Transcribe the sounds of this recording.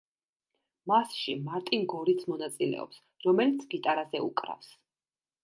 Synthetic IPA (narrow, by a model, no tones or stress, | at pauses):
masʃimaɾt̪ʼinɡɔɾit̪sʰmɔnat̪sʼilɛ̰ɔ̰ps | ɾɔmɛlit̪sʰɡit̪ʼaɾazɛṵkʼɾa̰fs